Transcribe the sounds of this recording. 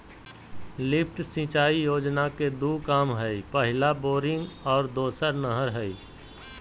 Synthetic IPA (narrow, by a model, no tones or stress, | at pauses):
lɪpʰʈsĩt͡ʃaːijoːd͡ʒnaked̪uːkaːmɦɛipəɦɪlaboːɾɪ̃ŋɡɔːɾd̪oːsəɾnəɦəɾɦɛi